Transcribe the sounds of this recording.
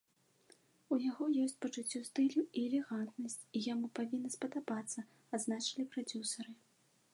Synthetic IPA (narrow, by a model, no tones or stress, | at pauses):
ujaɣɔjɔsʲt͡sʲpɐt͡ʂut͡sʲːust̪ɨlʲuiɛlʲɛɣant̪nɐsʲt͡sʲijamupavʲinːɐspɐd̪abat̪sːɐ | ad̪znat͡ʂɐ̥lʲipɾad͡zʲusɐɾɨ